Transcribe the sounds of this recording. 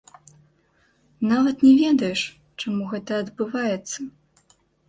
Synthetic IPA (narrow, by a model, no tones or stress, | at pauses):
navɐt̪nʲɛvʲɛd̪ɐjɛʂ | t͡ʂamuɣɛt̪ɐːd̪bɨvajɛt̪sːɐ